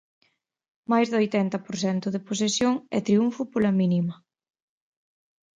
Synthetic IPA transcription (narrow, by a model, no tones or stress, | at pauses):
majzðojt̪ɛnt̪ɐpoɾθɛnt̪ʊðepos̬esjoŋɛ̰t̪ɾiuɱfʊpolɐminimɐ